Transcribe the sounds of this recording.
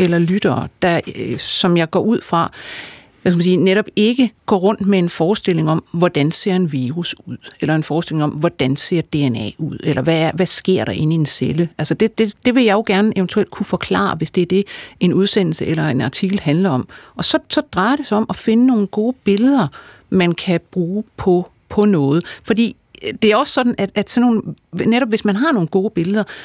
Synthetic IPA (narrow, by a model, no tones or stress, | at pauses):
elɐlyɾ̥ɐːd̥ɑ̈sɒ̽mjɑ̈ɪɡ̥ɒ̰ːʔuð̞̰ˠfʁɑ̈ | æskm̩siːneɾɒ̽b̥e̝ɡ̥əɡ̥ɒ̰ːʁɔ̽n̰d̥mee̝nfɒːsd̥e̝l̰e̝ŋɒ̽mʋɒd̥ænse̝ɐ̰e̝nʋiːʁusuð̞̰ˠelɐe̝nfɒːsd̥e̝le̝ŋɒ̽mʋɒd̥ænse̝ɐ̰d̥e̝enɛ̰ːuð̞̰ˠelʔɐʋæʋæsɡ̥e̝ɐ̰ɾ̥ɑ̈ʔe̝nie̝nseləælsəd̥e̝d̥e̝d̥e̝ʋe̝jɑ̈ɪoɡ̥æɐnəʔeʊnt͡sʰuel̰d̥kʰufɒ̽kʰlɑ̰̈ːɑʋe̝sd̥e̝æɐd̥e̝e̝nuð̞ˠsen̰l̩səʔelɐe̝nɑ̈t͡sʰiɡ̥l̩ɦænlɐɒ̽m̰ʔɒ̽sɒ̽sɒ̽d̥ʁɑ̈ɪɐɾ̥e̝sɑɒ̽mʔɒfe̝nəno̝ːn̩ɡ̥o̝ːb̥e̝ləð̞ˠɐ | mænkʰæb̥ʁuːpʰɒ̽ | pʰɒ̽nɔ̽ːð̞̩ˠfɒ̽d̥ḭː | d̥e̝æɐɒ̽ssɒ̽d̥n̩æ̥æd̥sɒnːo̰ːnneɾɒ̽b̥ʋe̝smænɦɑ̈no̝ːn̩ɡ̥o̝ːb̥e̝ləð̞ˠɐ